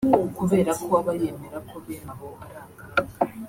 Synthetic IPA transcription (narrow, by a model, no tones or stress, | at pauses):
kuβe̞ːɾakʰoaβajemeɾakoβjeːnaβoːβuɾaːɡa